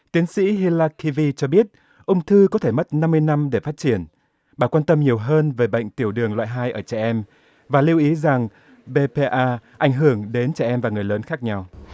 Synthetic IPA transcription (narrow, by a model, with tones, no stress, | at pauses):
t̪i˨˦ənsḭ˧˥ɦi˧laː˧kːi˧vi˧t͡ɕɔ˧ɓi˦˥ət̚ | ʔə˧wŋ͡mt̪ʰɨ˧kɔ˨˦t̪ʰe˧˩mə˦˥t̚na˧mːɨ˧əjna˧mɗe˧˩faː˦˥t̚t͡ɕi˧˩ən | ɓaː˧˩kwaː˧nt̪ə˧mɲi˨˩əwɦəː˧nve˨˩ɓə̰˧˨jŋ̟t̪i˧˩əwɗɨ˨˩əŋlwa̰ː˧˨ɦaː˧jʔəː˧˩t͡ɕɛ˧˩ʔɛ˧m | vaː˨˩li˧wʔi˨˦za˨˩ŋ | ɓe˧pe˧ʔaː˧ʔa˧˩jŋ̟ɦɨ˧˩əŋɗe˨˦nt͡ɕɛ˧˩ʔɛ˧mvaː˨˩ŋɨ˨˩əjləː˨˦nxaː˦˥k̚ɲa˧w